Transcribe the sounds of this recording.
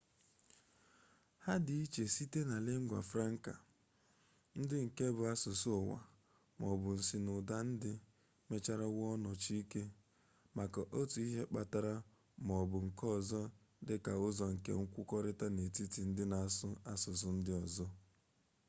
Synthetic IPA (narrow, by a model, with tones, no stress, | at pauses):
ha˦dɪ˨i˦t͡ʃe˨si˦te˦na˨le˦ŋ̩˦ɡʷa̰˨fɾa˦ŋ̩˦ka̰˨ | n̩˦dɪ˦ŋ̩˨ke˦bʊ˨a˦sʊ˨sʊ˦˨wa̰˨ | mɔ˨bʊ˨n̩˨si˦nʊ˨da˦n̩˦dɪ˦ | me˦t͡ʃa˦ɾa˦wɔ˦nɔ˨t͡ʃi˦i˦ke˦ | ma˨ka˨ʔo˦tu˨i˦ɦe˦k͡pa˦ta˦ɾa˦ | m˨ɔ˨bʊ˨ŋ̩˨kɔ˦zɔ˦ | dɪ˦ka˨ʊ˦zɔ˨ŋ̩˨kḛ˦ŋ̩˦kʷʊ˦kɔ˦ɾɪ˦ta˦ne˨ti˦ti˨n̩˦dɪ˦na˨a˨sʊ˦a˦sʊ˨s̬ʊ˨˦n̩˦dɪ˦ɔ˨zɔ˦